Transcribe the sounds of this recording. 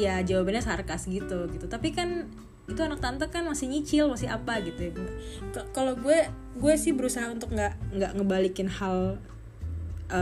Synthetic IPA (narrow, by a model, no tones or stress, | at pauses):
jad͡ʒawabanɲasarkasɡit̪uɡit̪ut̪apikan | it̪uanak̚t̪ant̪akanmasɪhɲit͡ʃɪlmasɪa̰paɡit̪ukkaloɡuɛ | ɡuɛsɪhbəɾusaɦaunt̪ʊk̚ŋɡaʔŋɡaʔŋəbalikɪnhal | ə